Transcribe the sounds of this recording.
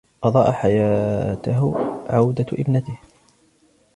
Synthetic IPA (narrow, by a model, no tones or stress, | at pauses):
qɑd̪ˤɑːʔaħajaːt̪ʊɦʕawd̪aʔɪ̰bnat̪ɪh